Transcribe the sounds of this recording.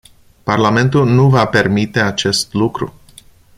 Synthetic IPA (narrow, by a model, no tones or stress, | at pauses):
parlame̞nt̪ulnuvape̞rmit̪e̞at͡ʃe̞st̪lukɾṵ